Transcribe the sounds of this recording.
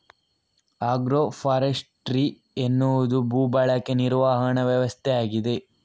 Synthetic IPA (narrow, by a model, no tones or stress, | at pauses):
aːɡɾopʰaːɾesʈɾi | enːuʋud̪ubuːbɐɭɐkːeniɾʋaːɦɐɳɐʋjɐʋɐst̪ʰejaːɡid̪e̞